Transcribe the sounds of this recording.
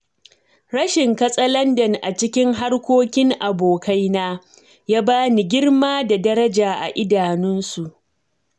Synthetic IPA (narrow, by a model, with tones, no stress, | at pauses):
ɾɐ˦ʃɪ˨ŋkɐ˦sʼɐ˦lɐ˦ndɐ˨ŋʔa˨t͡ʃɪ˦kʲɪ˦ŋɦa˦rkʷoː˦kʲɪ˦ŋʔa˨boː˨kʰa˦jnaː˦ | jaː˦baː˦ni˨ɡʲɪ˦rmaː˦da˨dɐ˦ɾɐ˦d͡ʒaː˨ʔa̰˨ʔɪ˦daː˨nʊ˦nsu˨ʔ